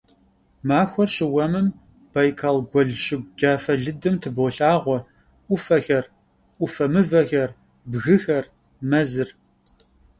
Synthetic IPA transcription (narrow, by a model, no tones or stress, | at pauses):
maːxʷɔrɕɪwɐmɨm | b̥ajkʰalɡʷɔɮɕɪɡ̚ʷɡ̥aːfɐɮɨdɨmtʰɨboːɬʼaːʁʷɔ | ʔʷʊfɐxɐr | ʔʷʊfɐmɨvɐxɐr | bɣɨxɐr | mɐzɨr